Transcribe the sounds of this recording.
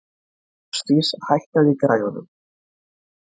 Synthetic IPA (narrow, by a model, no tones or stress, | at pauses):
st̪ishajhk̪aðɪkɾaːjɣɔnʏ̰m